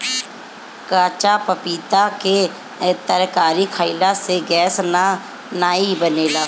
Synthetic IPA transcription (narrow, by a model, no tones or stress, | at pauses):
kaːt͡ʃapəpiːt̪ake | t̪əɾkaːɾikʰaːɪlaseɡɛːsna | naːibəneːlaː